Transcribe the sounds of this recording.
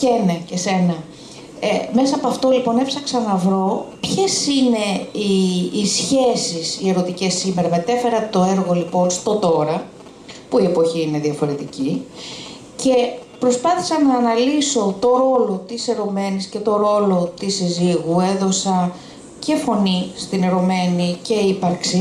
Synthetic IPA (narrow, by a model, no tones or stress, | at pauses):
cenecese̞nɐ | emesɐɐpoɐft̪o̞lipo̞ne̞psɐksɐnɐvɾo̞pçe̞sine̞iːsçe̞sisie̞ɾo̞t̪ice̞sːime̞ɾɐme̞t̪e̞fe̞ɾɐt̪o̞eɾɣo̞lipo̞nst̪o̞t̪o̞ɾɐ | puie̞po̞çiine̞ðiɐfo̞ɾe̞t̪ici | ce̞pɾo̞spɐθi̥sɐnɐːnɐliso̞t̪o̞ɾo̞lo̞t̪ise̞ɾo̞me̞nisce̞t̪o̞ɾo̞lo̞t̪isiziɣue̞ðo̞sɐ | ce̞fo̞nist̪ineɾo̞me̞nice̞ipɐɾksi